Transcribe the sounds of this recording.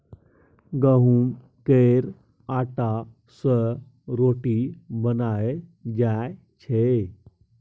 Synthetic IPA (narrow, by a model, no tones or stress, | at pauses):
ɡəɦum | keɾ | aʈa | sə | ɾoʈibənajd͡ʑaj | t͡ɕʰe